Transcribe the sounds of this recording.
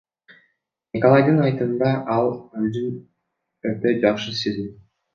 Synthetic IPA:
nʲikolˠɑjd̪ɯnɑjt̪ɯnd̪ɑʔɑlˠøzyn | øt̪ød͡ʒɑqʃɯsezi

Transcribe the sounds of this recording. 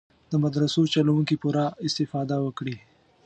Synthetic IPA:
d̪̥əmad̪ɾasot͡ʃalawuŋkipuɾaɪst̪ɪfɑd̪awəkɽi

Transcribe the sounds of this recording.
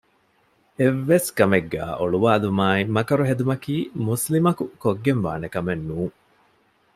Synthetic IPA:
eʋːeskɐmeɡːæ̰ːʔoɭuʋaːlumaːimɐkɐɾuɦed̪umɐkiːmuslimɐkukoɡːenʋa̰ːnekɐmenːuːŋ

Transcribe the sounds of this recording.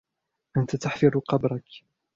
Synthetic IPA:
ʔant̪at̪aħfɪɾqɑbɾˤɑk

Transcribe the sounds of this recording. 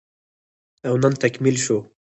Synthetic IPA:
awnant̪akmilʃo

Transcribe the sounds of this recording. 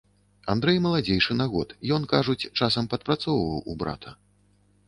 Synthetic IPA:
and̪ɾɛjmɐlˠad͡zʲejʂɨnaɣɔt̪jɔnkaʐut͡sʲt͡ʂasɐmpɐt̪̚pɾat̪sɔwvɐwubɾa̰t̪ʰɐ

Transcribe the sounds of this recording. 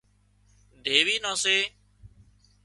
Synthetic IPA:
d̪ʱeːʋiːnãːseː

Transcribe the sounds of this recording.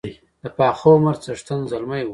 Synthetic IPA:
d̪̥əpɑxowmaɾt͡saʂt̪anzalmaj

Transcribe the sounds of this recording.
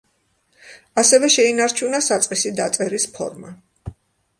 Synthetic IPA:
asɛvɛʃɛinaɾt͡ʃʰunasat̪sʼqʼisid̪at̪sʼɛɾispʰɔ̰ɾma

